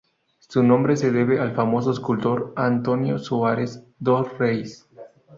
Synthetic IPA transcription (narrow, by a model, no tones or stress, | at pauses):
sunõ̞mbɾeseðeβealfamo̞s̬oeskult̪o̞ɾant̪onjosuaɾez | d̪orejs